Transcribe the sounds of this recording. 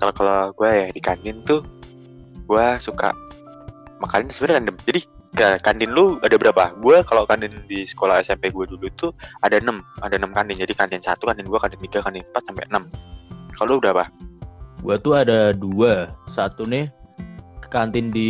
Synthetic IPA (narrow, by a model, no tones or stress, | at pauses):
kalokaloɡuajadikandɪnt̪ʊ | ɡ̥uasuka̰ʔ | makanɪnsəbənakandəmd͡ʒadi | kakandɪnlʊadabəɾapaɡuakalokandɪndisə̥kolaɦɛsɛmpeɡuadulut̪uadaənəmadaənəmkandɪnd͡ʒadikant̪ɪnsa̰t̪ukandɪnduakandɪnt̪iɡakandɪnpat̪̚sampɛ̰ʔənəmkalolubəɾapa | ɡuat̪uadaduasat̪unɪh | kant̪ɪndi